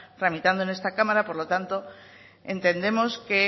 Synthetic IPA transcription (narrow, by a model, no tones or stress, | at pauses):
t̪ɾamit̪and̪oene̞st̪akamaɾapo̞ɾlo̞t̪ant̪o̞ | e̞nt̪e̞nd̪e̞mo̞ske